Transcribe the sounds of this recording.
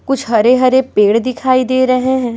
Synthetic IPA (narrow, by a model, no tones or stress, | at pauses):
kʊt͡ʃʰɦɐɾeɦɐɾepeːɽd̪ɪkʰaːid̪eːɾɐɦeɦɛ̃ː